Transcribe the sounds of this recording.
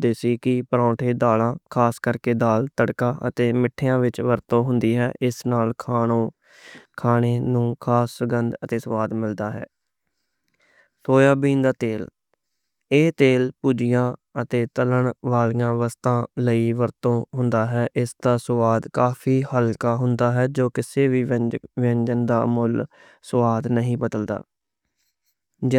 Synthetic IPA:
d̪eːsiːkɪpəɾãːʈʰeːd̪aːlãːkʰaːskəɾkeːd̪aːlt̪əɽkaːʔə̰t̪eːmɪʈʰːeːãːʋɪt͡ʃʋəɾt̪õːɦʊnd̪iːɦɛːʔɪsnaːlkʰaːõː | kʰaːneːnũːkʰaːsːəɡənd̪ət̪eːsəʋaːd̪mɪld̪aːɦɛ̰ː | soːjaːbiːnd̪aːt̪eːl | eːt̪eːlpuːd͡ʒɪjãːət̪eːt̪ələɳʋaːlijãːʋəst̪ãːləiːʋəɾt̪õːɦʊnd̪aːɦɛːʔɪsd̪aːsəʋaːd̪kaːfʰiːhəlkaːɦʊnd̪aːɦɛːd͡ʒoːkɪseːʋiːʋɛ̃ɲd͡ʒənd̪a̰ːmʊl | sʋaːd̪nəɦĩːbəd̪əld̪a̰ː | d͡ʒ

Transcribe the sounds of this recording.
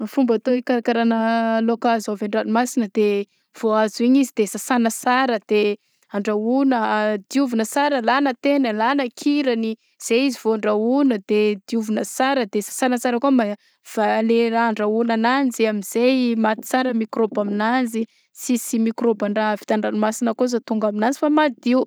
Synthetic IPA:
fumbat̪oikaɾakaɾanəlokazoveɳɖ͡ʐanimasinəd̪e | v̥oazuiɲizid̪̥esasanəsaɾəd̪̥e | aɳɖ͡ʐaunəd̪iuvunəsaɾəlanət̪enəlanəkʰiɾəni | z̥eizivoaɳɖ͡ʐaunəd̪ed̪iuvunəsaɾəd̪esḁsanəsaɾəkuəma | v̥aleɾaaɳɖ͡ʐaunanand͡ziamiz̥ejmat̪i̥t͡saɾəmikɾobaminand͡zi | sisimikɾobaɳɖ͡ʐavi̥t̪aɳɖ͡ʐanimasinəkozat̪uŋɡaminand͡zifamad̪iu

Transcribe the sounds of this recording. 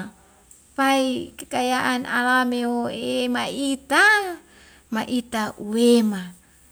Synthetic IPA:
paikekajaʔana̰lameoemait̪a | maʔit̪aʔuwema

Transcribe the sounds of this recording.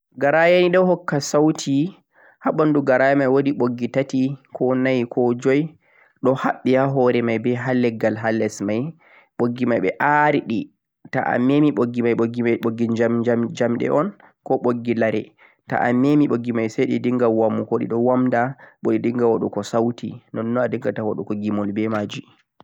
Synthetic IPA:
ɡaɾajaniɗɔwhɔkːasawtʰi | haɓanduɡaɾajamajwodiɓoɡːitatikʰɔnajkʰɔd͡ʒɔj | ɗɔhaɓːihaɦɔɾɛmajbɛɦalːɛɡːalɦalːɛsmaj | ɓoɡːimajɓɛʔaɾiɗi | ta̰ʔa̰memiɓoɡːimajɓoɡimajɓoɡːid͡ʒamd͡ʒamd͡ʒamɗɛ̰ʔɔn | kɔɓoɡːilaɾɛ̰ | ta̰ʔamemiɓoɡːimajsajɗidiŋɡawamːukoɗḭɗɔwamdaɓoɗidiŋɡawaɗukɔsawtinɔnːɔadiŋɡatawa̰ɗukɔɡimɔlbɛmaːd͡ʒi

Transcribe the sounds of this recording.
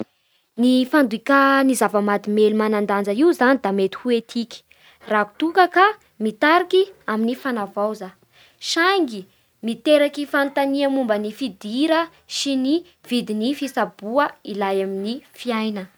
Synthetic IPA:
nifand̪uikanizavəmad̪imelumanand̪and͡zəiuzanid̪amet̪i̥huet̪ʰiki̥ | raɦu̥t̪ukəka | mit̪aɾikiaminifanavawza | ʃaŋɡi | mit̪eɾakifant̪aniamumbənifid̪iɾə | ʃini | v̥id̪inifisabuəilajaminifiajnə

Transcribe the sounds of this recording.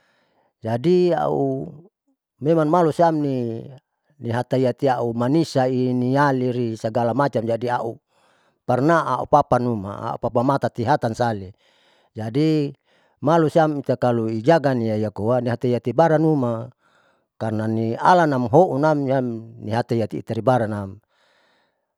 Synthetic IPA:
d͡ʒadia̰u | memaŋmalusiamni | niɦat̪aiat̪iaumanisainialiɾisaɡalamat͡ʃamd͡ʒadiaʔu | parnaaṵpapanuma̰a̰ṵpapamat̪at̪iɦat̪ansali | d͡ʒadi | malusiamit̪akaluid͡ʒaɡaniaijakowaniɦat̪aiat̪ibaɾanuma | karnania̰lanamɦoʔunamjamniɦat̪aiat̪ḭːt̪aɾibaɾanam

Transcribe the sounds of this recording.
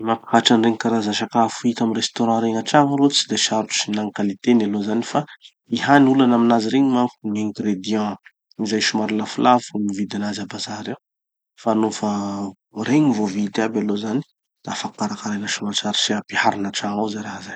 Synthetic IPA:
imakaʈ͡ʂanreŋkaɾazaʃakafuit̪amiɾest̪oɾɑ̃ɾeŋaʈ͡ʂaŋalot͡si̥d̪eʃaɾuusinaŋkalit̪enalozanifa | ihanulanaminaziɾeɲimakuniɛ̃ŋɡɾed̪jɑ̃ | izajʃumaɾulafulavumivid̪anazabazaɾew | faːnofə | reɲvovid̪iabalozani̥ | d̪̥aafakkaɾakaɾenaʃumat͡ʃaɾisiapihaɾinaʈ͡ʂaŋawzajɾaɦazaj

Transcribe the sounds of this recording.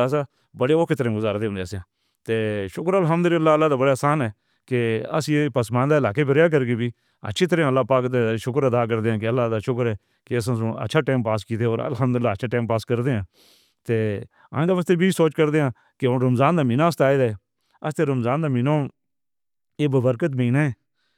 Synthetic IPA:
s̬aː | bəɽeːoːkʰeːt̪əɾẽɡʊzaːɾd̪eːʊ̃nd̪eːəsãː | t̪eːʃʊkɾəlɦəmd̪ʊlɪlːaːəlːaːd̪aːbəɽaːsaːnɛː | keə̰sĩːepəsmaːnd̪aːɪlaːkeːbəɾjaːk̬əɾɡeːbʱiː | ə̰tːʃʰiːt̪əɾẽãəlːaːpaːkd̪eʃʊkɾəd̪aːk̬əɾd̪eːãːkeəlːaːd̪aːʃʊkəɾɛː | keəs̬ãːs̬õə̰tːʃʰaːʈeːmpaːskiːt̪ʰeːoːɾə̰lɦəmd̪ʊlɪlːaːtːʃʰaːʈaːmpaːskəɾd̪eːɦãː | t̪eː | ã̰ːd̪aːʋəːst̪eːbʱiːsoːt͡ʃkəɾd̪eːãː | keʊɾəmzaːnd̪aːmiːnãːəst̪aːed̪aːe | əst̪eːɾəmzaːnd̪aːminoː | eːbəbəɾkət̪mẽːnaːeː

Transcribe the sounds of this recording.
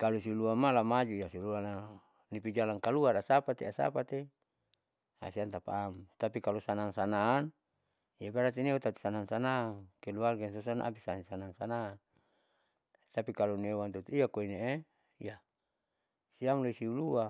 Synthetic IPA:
kalusiuluamalamad͡ʒuijasiuluana | nipid͡ʒalaŋkaluarasapat̪easa̰pat̪e | a̰siant̪apa̰ːmt̪apikalosanaŋsanaːn | ijapaɾat̪inewat̪at̪u̥sanaŋsanaŋkeluarɡɛns̬osana̰a̰pisansanaŋsanan | t̪apikalonewant̪ut̪uiakoinee | ija | siamloisiulua

